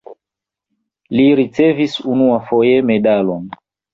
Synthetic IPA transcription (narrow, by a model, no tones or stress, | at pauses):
liɾit͡se̞visunuafo̞je̞me̞dalon